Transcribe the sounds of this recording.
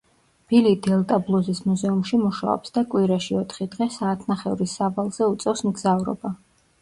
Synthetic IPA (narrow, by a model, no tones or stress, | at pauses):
b̥ilid̪ɛlˠt̪ʼablˠuzismuzɛumʃimuʃa̰ɔ̰psd̪akʼwiɾaʃiɔt̪ʰχid̪ʁɛsaːt̪ʰnaχɛvɾisːavalˠz̥ɛut̪sʼɛfsmɡzavɾɔ̰ba